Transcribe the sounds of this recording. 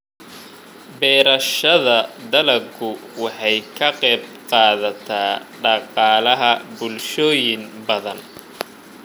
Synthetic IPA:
bɛːɾɐʃɐðɐd̪ɐlɐɡʰʊwɑħɑjkʰɐqɛjb̚qɑːðɐt̪ʰaːɖɑqɑːlɐɦɐbʊlʃɔːjɪnbɐðɐn

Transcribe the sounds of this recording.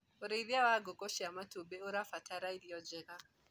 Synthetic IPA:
oɾeiβjawaɡokɔʃiamatubɛoɾafataɾaiɾiɔd͡ʒɛɣa

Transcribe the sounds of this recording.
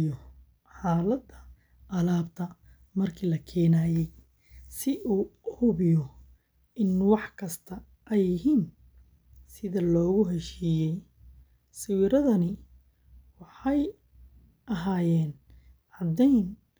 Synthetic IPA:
jɔ | ħaːlɐd̪ɐ | ʔɐlaːbt̪ʰɐ | mɐrkʰiːlɐkʰɛːnaːjɛj | sɪʔuːhʊβɪjɔ | ɪnwɑħkʰɐst̪ʰɐ | ʔɛjːɪɦiːn | sɪðɐlɔːɣʊɦɛʃiːjɛj | sɪwiɾɐðɐnɪ | wɑħɑj | ʔɐɦaːjɛːn | ʕɑd̪ɛjn

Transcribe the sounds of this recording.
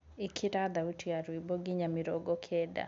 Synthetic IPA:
ikʰiɾad̪autiaɾwibɔɡiɲamiɾɔɡɔkʰɛda̰

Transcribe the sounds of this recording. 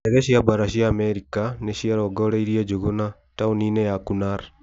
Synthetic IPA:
ɛɣɛʃiabaɾaʃiaːmɛɾikaneʃiaɾɔɡɔɾeiɾiad͡ʒoɣona | tauninɛjakunaɾ

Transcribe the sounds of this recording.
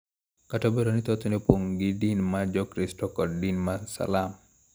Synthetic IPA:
katɔbɛɾɔnit̪ɔt̪unipoŋɡidinmad͡ʒɔkɾistɔkɔdinmasa̰lam

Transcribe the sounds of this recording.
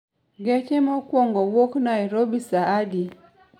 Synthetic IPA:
ɡɛt͡ʃɛmɔkwɔŋɡɔwɔknaiɾɔbisaadi

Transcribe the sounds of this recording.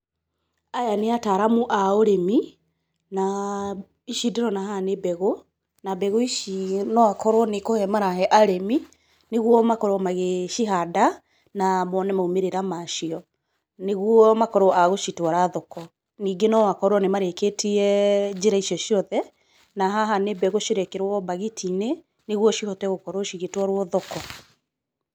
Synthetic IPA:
ajaneataɾamuʔaoɾemi | na | iʃideɾɔnahanebɛɣo | nabɛɣoiʃinɔakɔɾwɔnekohɛmaɾaɦɛʔaɾemi | neɣwɔmakɔɾɔmaɣeʃiɦada | namɔnɛmaumeɾeɾamaʃiɔ | neɣwɔmakɔɾoʔaɣoʃitwaɾaðɔkɔ | niːɡenɔwakɔɾwɔnemaɾeketiɛd͡ʒeɾaiʃjɔʃiɔðɛ | naɦaɦanebɛɣoʃiɾekeɾwɔbaɣitʰine | neɣwɔʃihɔtɛɣokɔɾoʃiɣetwɔɾwɔðɔkɔ

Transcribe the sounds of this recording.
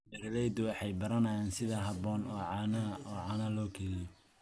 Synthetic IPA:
bɛɾlɛjd̪ʊwɑħɑjbɐɾɐnɐjaːnsɪðɐɦɐβɔːnɔːʕɑnɐɔːʕɑːnɐlɔːkʰɛlɪjɔ

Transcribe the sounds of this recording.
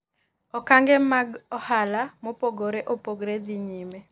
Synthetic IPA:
ɔkaŋɡɛmaɡɔhalamopoɡoɾeʔopoɡɾed̪iɲime

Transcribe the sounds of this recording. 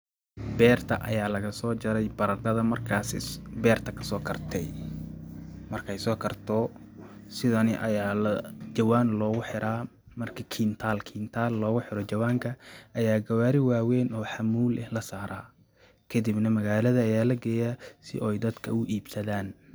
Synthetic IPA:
bɛːrt̪ʰɐʔɐ̰jaːlɐɣɐsɔːt͡ʃɐɾɛjbɐɾɐrd̪ɐðɐmɐrkʰaːsɪbɛːrt̪ʰɐkʰɐ̥sɔːkʰɐrt̪ʰɛj | mɐrkʰɛjsɔːkʰɐrt̪ʰɔ | sɪðɐnɪʔɐjaːlɐt͡ʃɐwaːnlɔːɣʊħɪɾʔaː | mɐrkʰɐkʰiːnt̪ʰaːlkʰiːnt̪ʰaːlːɔːɣʊħɪɾɔt͡ʃɐwaːŋkʰɐʔɐjaːɡɐwaːɾɪwaːwɛːnɔːħɑmuːlɛhlɐsaːɾaː | kʰɐd̪ɪbnɐmɐɣaːlɐðɐːjaːlɐɡɛːjasɪʔɔjd̪ɐd̪kʰɐʊʔiːbsɐðaːn

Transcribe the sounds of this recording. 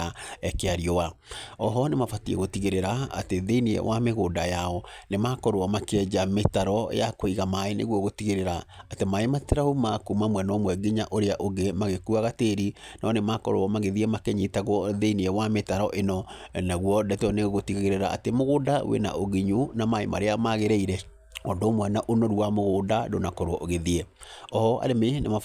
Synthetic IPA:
aɛkeaɾiɔwaɔɦɔnemafatiɛ̰ɣotiɣeɾeɾaa̰teðeiniɛ̰wʔameɣodajaɔnemakɔɾoɔmakeɛd͡ʑametaɾɔ̰jakoiɣamaenḛɣwɔɣotiɣeɾeɾaːtemaemateɾaumakumamwɛnɔmwɛɡiɲaʔoɾeaʔoɡemaɣekuaɣateɾinɔnemakɔɾoɔmaɣeðiɛmakeɲitaɣwɔðeiniɛwametaɾɔʔenɔnaɣwɔdɛtɔneɣotiɣeɣeɾeɾaʔa̰temoɣodawḛna̰ʔoɣiɲunamaema̰ɾeamaɣeɾɛiɾɛ | ɔdomwɛnaʔonɔɾuamoɣoːdado̰nakɔɾoɔʔoɣeðiɛɔɔa̰ɾemenema

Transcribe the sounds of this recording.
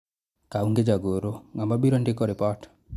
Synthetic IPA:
kauŋɡed͡ʒaɡoɾoŋambabiɾondɪkɔɾipɔʈ

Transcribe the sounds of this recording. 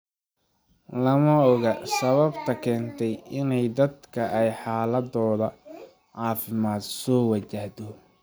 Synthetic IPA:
lɐmɐɔɣɐsɐβɐbt̪ʰɐkʰɛːnt̪ʰɛjɪnɛjd̪ɐd̪kʰɐʔɛjħɑːlɐd̪ɔːðɐ | ʕɑːfɪmaːd̪sɔːwɐt͡ʃɐhd̪ɔ

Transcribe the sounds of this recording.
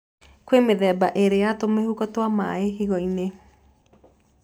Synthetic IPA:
kwemeðɛːbaʔeɾejatomehukɔtwama̰eɦiɣɔine

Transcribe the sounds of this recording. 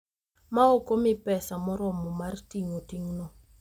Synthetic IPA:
maokomipɛsamɔɾɔmɔmartiŋotiŋnɔ

